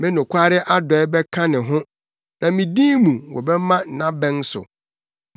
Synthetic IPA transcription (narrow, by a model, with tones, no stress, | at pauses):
mɪ̃˦nʊ̃˨kʷʰa˦ɾɪ˦ʔa˦dɔ˨ɛ˦bɛ˦kʰã˦nɪ̃˨ɦʊ̃˦ | nã˨mĩ˨dĩː˦mũ˨wɔ̰˨bɛ˦mã˦n̩˨nã˦bɛ̃˦n˦sʊ̰˨